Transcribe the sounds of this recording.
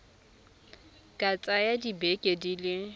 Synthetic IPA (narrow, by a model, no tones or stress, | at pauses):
kʼat͡sʼajadibekʼedilɪ